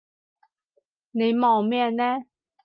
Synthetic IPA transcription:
ne˨˧jmɔː˨˩wmɛ˥˧˨nnɛ˥

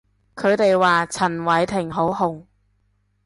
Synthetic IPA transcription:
kʰɵ˨˧ɥt̪e˨jwaː˨t͡sʰɐ˨˩nwɐ˨˥jt̪ʰɪ˨˩ŋɦo˨˥wɦʊ˨˩ŋ

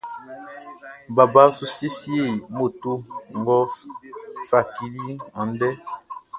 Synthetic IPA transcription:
ba˨ba˦su˦si˦si˦e˦˨mo˨tu˦ŋ˨ɡɔ˦fsa˨ki˨ɾi˦ã˨n˦dɛ˦

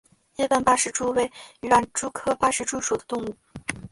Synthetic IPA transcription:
jɛ˥t̪a˥˧npa˥ʂɻ̩˥˩ʈ͡ʂu˥we˧˥˩ɪy˨˧˥a˥˩nʈ͡ʂu˥kʰɤ˥pa˥ʂɻ̩˥˩ʈ͡ʂu˥ʂu˨˩d̪ə̥˦t̪ʊ˥˧ŋu˥˩

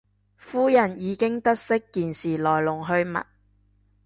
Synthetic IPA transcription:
fuː˥jɐ˨˩njiː˨˧kɪ˥ŋt̪ɐ˥t̚sɪ˥kːiː˨nsiː˨˩lɔː˨˩jlʊ˨˩ŋɦɵ˧ɥmɐ̰˨t̚

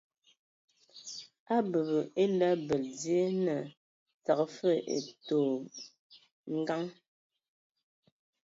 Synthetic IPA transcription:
a˦bə˨bə˨e˦lɛ˦bə˨ldje˦nə˨ | t͡sa˨kfə˦˨ʔḛ˨toː˨ | ŋ̩˦ɡa˦ŋ

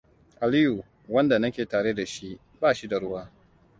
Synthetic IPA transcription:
ʔa˨li˦ju˨ | wɐ˦nda˨nɐ˦kʲeː˨taː˨ɽe˦da˨ʃi˦ʔ | baː˦˨ʃi˦da˨ɽʊ˦waː˦

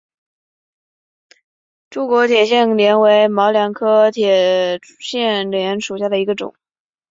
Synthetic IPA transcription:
ʈ͡ʂu˧˥kwɔ˧˥t̪ʰjɛ˨˩ɕjɛ˥˩nljɛ˧˥nwe˧˥ɪmɑ˧˥ʊljɑ˧˥ŋkʰɤ˥t̪ʰjɛ˨˩ | ɕjɛ˥˩nljɛ˧˥nʂu˨˩ɕ̬ja˥˩d̪ə˩i˧˥ɡə˧ʈ͡ʂʊ̰˨˩˦ŋ

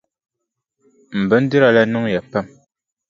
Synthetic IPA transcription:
m̩˨bə˨˦n̩˦di˦ɾa˨la˦nu˦ŋja˨pɛ˦˨m

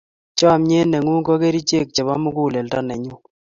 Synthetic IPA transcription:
t͡ʃɔ˦˨mɲe˦nɛ˨ŋu˦ŋkɔ˦ke˦ɾi˦t͡ʃe˦˨k̚t͡ʃɛ˨βa˦mu˦ku˦˨lɛ˨lta˦nɛ˨ɲu˦

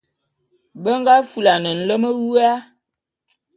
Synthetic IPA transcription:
bə˦ŋ˦ɡa˦fu˨la˨nə˨n̩˨lə˦mə˦wu˦a˦

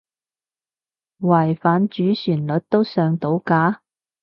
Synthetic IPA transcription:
wɐː˨˩jfaː˨nt͡ʃyː˨˥syː˨˩nlɵ˨˥t̚t̪o˥wsœː˨˧ŋt̪o˨˥wkaː˨˥

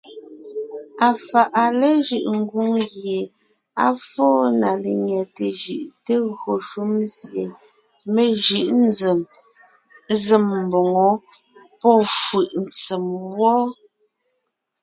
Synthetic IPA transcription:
a˨fa˨ʔa˨le˦ʒʉ˦˨ʔŋ̩˦ɡu˦ŋɣje˨ | a˦fɔː˦na˨le˨ɲɛ˨te˨ʒʉ˨ʔte˦ɣɰo˨ʃu˦mzje˨ | me˦˨ʒʉ˦˨ʔn̩˦d͡ze˨m | ze˨m̩˨bo˨ŋɔ˨˦ | pɔ˦fʉ˨ʔn̩˨t͡se˨mwɔː˦

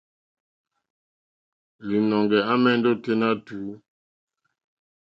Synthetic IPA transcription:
li˨nɔ˨ŋɡɛ˨a˦mɛ˦˨n̩˦dɔ˦te˦na˦tuː˨˦

